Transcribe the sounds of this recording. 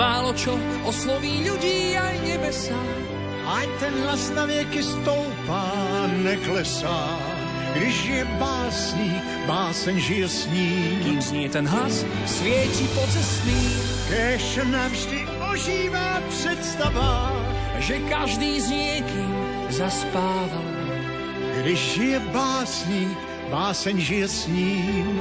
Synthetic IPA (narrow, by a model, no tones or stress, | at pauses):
aːlɔt͡ʃɔ | ɔslɔʋiːʎuɟiːajɲɛbɛsa | ʔajt̪ɛnɦlasnavɪɛkist̪ɔʊpaːnɛklɛsaː | ɡd̪iʒɪjɛbaːsɲiː | baːsɛɲʒiɛsɲiːmkiːmzɲiɛt̪ɛnɦlas | svɪɛcipɔt͡sɛst̪niː | kɛːʃɛnavʒdɪ | oʒiːvaːpr̥ɛt̪st̪ava | ʒɛkaʒd̪iːzɲɪɛkiːm | zaspaːval | ɡdɪʒʒɪjɛbaːsɲiːk | baːsɛɲʒɪjɛsɲiːm